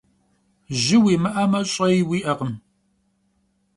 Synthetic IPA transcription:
ʒɪwiːmɨʔɐmɐɕʼɐiwiːʔɐqəm

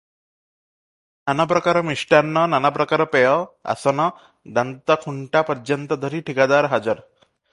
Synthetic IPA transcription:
nanap̬ɾɔkaɾɔmiʃʈanːɔnanapɾɔkaɾɔpɛjɔa̰sɔnɔ | d̪ant̪ɔkʰuɳʈapɔɾd͡ʒɔnt̪ɔd̪ʱɔɾiʈʰikad̪aɾɦad͡ʒɔɾ

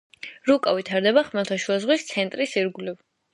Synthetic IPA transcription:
ɾukʼavit̪ʰaɾd̪ɛbaχmɛlˠt̪ʰaʃuazʁwist̪sʰɛnt̪ʼɾisiɾɡuliv

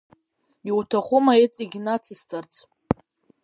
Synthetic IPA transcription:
iwtʰaχʷʊmaet͡sʼiɡʲnat͡sʰɨstʰart͡sʰ

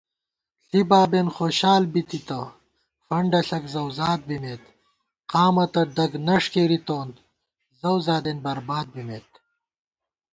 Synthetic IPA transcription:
ɬibaːbenxoːɕaːlbit̪it̪ɐ | fɐɳɖɐɬɐkzɐwzaːd̪̚bimeːt̪ | qaːmɐt̪ɐɖɐɡnɐʂkeːɾit̪oːn | zɐwzaːd̪enbɐɾbaːd̪̚bimet̪

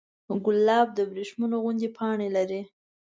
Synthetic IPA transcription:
ɡʊlːɑb̚d̪əbɾeʃmanoɣʊnd̪epʰɑɳelaɾi

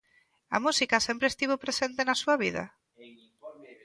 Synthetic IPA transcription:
ɐ̰musikasempɾeːst̪iβopɾesent̪enasuɐβiða̰

